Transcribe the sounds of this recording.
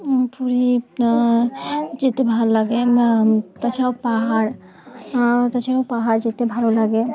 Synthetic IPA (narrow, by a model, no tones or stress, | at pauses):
puɾi | d͡ʒet̪ebʱalolaɡe | t̪at͡ʃʰaɽawpaɦaɾ | t̪at͡ʃʰaɽawpaɦaɾd͡ʒet̪ebʱalolaɡe